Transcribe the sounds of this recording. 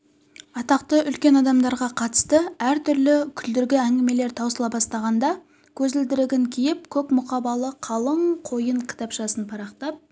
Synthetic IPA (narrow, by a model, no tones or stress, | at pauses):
ɑt̪ɑqt̪əʔʏlkʲe̞nɑd̪ɑmd̪ɑɾʁɑqʰɑt̪ə̥st̪əæɾt̪ʰʏɾlɪkʲʰʏld̪ɪɾɡʲɪæŋɡʲɪme̞le̞ɾt̪ʰɑwsəlˠɑbɑst̪ɑʁɑnd̪ɑ | kʲʰɵzɪld̪ɪɾɪɡʲɪŋkʲʰijɪp̚kʲʰɵkmʊqɑbɑlˠəqʰɑlˠəɴqʰo̞jəɴkʲʰɪ̥t̪ɑpʃɑsənpʰɑɾɑqt̪ɑp̚